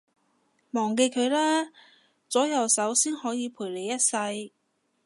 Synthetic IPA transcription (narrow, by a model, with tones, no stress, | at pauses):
mɔː˨˩ŋke˧jkʰɵ˨˧ɥlaː˥ | t͡sɔː˨˥jɐ˨wsɐ˨˥wsiː˥nhɔː˨˥jiː˨˧pʰuː˨˩le˨˧jɐ˥t̚sɐ˧j